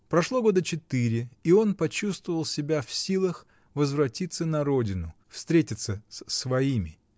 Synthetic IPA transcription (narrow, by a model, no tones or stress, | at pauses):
pɾɐʂlˠoɡo̞d̪ət͡ɕɪt̪ɨɾʲɪio̞npɐt͡ɕust̪vəvəlˠsʲɪbʲafsʲilˠəx | vəzvɾɐtʲit̪sːənɐɾo̞dʲɪnʊ | fst̪ɾʲetʲɪt̪səsʲsvɐimʲɪ